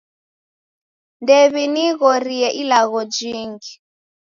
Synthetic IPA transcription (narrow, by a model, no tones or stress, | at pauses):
ndeβiniɣɔriɛʔilaɣɔd͡ʒiːŋɡi